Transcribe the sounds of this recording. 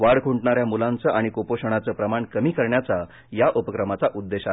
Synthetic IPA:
ʋaɽkʰuɳʈɳaɾjamulãnt͡səʔaɽ̃ikopoɕəɽ̃at͡səːpɾəmaɳkəmiːkəɾɳjat͡sa | jaʔopəkɾəmat͡saʔud̪ːeɕa

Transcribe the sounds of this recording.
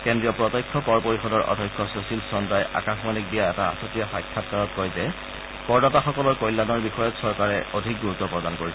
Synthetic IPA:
kendɹijɔpɹɔtɔjkʰːɔpɔɹpoɹixɔdɔɹʔɔ̰dʱɔjkʰːɔsosilsɔndajʔa̰kãxmalik̚bijaɛtaa̰sɔtijaxajkʰːat̚kaɹɔtkɔjzɛ | kɔɹdataxɔkɔlɔɹkojlːanɔɹbixɔjɔtsɔɹkaɹɛodʱik̚ɡuɹutːɔpɹɔdankoɹisɛ

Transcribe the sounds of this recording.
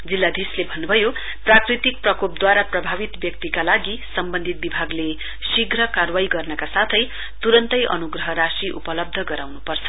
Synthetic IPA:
d͡zilːad̪ʱislebʱʌnːubʱʌjo | prakrit̪ik̚prʌkop̚d̪waɾaprʌbʱabit̪bjʌk̚t̪ikalaɡi | sʌmbʌnd̪ʱit̪̚bibʱaɡle | siɡɾʌkarwajɡʌrnʌkasat̪ʰʌj | t̪uɾʌnt̪ʌjʔʌ̰nuɡrʌɦʌɾasiʔṵpʌlʌb̚d̪ʱʌɡʌɾawnupʌrt͡sʰʌ̥

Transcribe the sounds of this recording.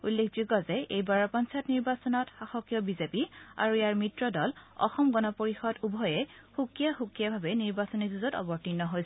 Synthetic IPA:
ulːekʰzuɡɔzɛejbaɹɔɹpɔnsajɔtniɹbasɔnɔtxaxɔkjɔbizepia̰ɹujjaɹmitɹɔdɔlɔ̰xɔmɡɔnɔpoɹixɔdubʱɔjɛxukijaxukijabʱabɛniɹbasɔnizuzɔtɔ̰bɔɹtinːɔɦojsɛ

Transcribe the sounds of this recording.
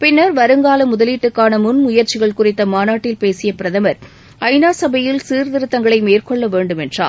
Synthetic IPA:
pɪnːɐɾʋɐɾɯŋɡaːlɐmʊðɐliːʈːɯkːaːnɐmʊnmʊjɐɾt͡ʃɪɣɐɭkʊrɪt̪ːɐmaːnaːʈːɪlpeːsɪjɐpɪɾɐðɐmɐɾ | ɐɪnaːsɐbɐjɪlsiːɾðɪɾɯt̪ːɐŋɡɐɭɐɪmeːrkɔɭːɐʋeːɳɖɯmɛndra̰ː

